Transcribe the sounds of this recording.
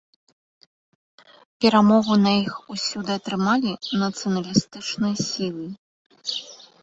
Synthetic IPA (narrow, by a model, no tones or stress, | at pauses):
pʲɛɾamɔɣunɐjixusʲud̪ɨɐt̪ɾɨmalʲinɐt̪sɨjɐnɐlʲist̪ɨt͡ʂnɨjɐsʲilˠɨ